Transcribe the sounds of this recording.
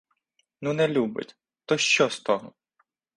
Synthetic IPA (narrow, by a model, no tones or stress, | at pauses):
nunɛlʲubɪ̰tʲ | t̪ɔʃt͡ʃɔst̪ɔɦɔ